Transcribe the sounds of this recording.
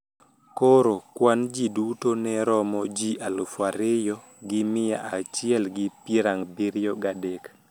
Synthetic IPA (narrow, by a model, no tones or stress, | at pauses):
koɾokwand͡ʒidutonɛɾɔmɔd͡ʒiʔalufwaɾɪjɔ | ɡɪmɪja̰ʔat͡ʃɪɛlɡɪpiɾaŋbiɾɪjɔɡadɛk